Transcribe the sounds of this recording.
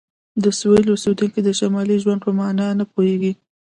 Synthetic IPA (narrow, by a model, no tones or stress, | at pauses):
d̪əswilosed̪uŋkid̪əʃamɑliʒwand̪̚pəmɑnɑnapoheɡi